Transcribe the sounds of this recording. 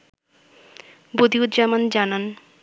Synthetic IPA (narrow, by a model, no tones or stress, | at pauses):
bod̪iut̪d͡ʑamand͡ʑanan